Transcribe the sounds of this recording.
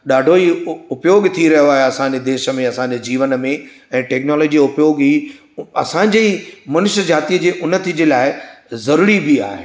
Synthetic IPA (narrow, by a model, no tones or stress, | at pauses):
ɗaːɖʱoiʊpjoːɡt̪ʰiɾɐɦjoaːɦjeɐsãːɲd͡ʑed̪eːʃə̆mẽɐsãːɲd͡ʑed͡ʑiːʋənmẽ | ɛ̃ːʈɛːknɔːlɔːd͡ʑiʊpjoːɡɦiː | ɐ̰sãɲ̆d͡ʑeːmɐnʊʃəd͡ʑaːt̪iəd͡ʑeːʔʊnə̆t̪ʰid͡ʑeːlaːɪzɐɾuːɾibɪa̰ːɦḛ